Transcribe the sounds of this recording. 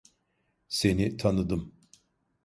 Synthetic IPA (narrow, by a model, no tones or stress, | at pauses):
se̞nit̪ʰanɯd̪ɯm